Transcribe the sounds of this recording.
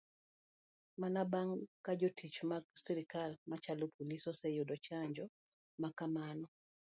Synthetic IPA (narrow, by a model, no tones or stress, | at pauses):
manabaŋkad͡ʒotʰit͡ʃmasiɾikalmat͡ʃalopʰolisɔsɛjudɔt͡ʃaɲd͡ʒɔ | makamanɔ